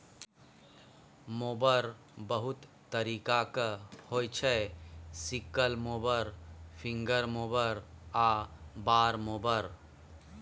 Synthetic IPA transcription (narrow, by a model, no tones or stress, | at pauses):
moːbəɾ | bəɦʊt̪ːəɾiːkakəhoːjt͡ʃʰɛsikəlmoːbəɾpʰɪ̃ŋɡəɾmoːbəɾ | abaːɾmoːbəɾ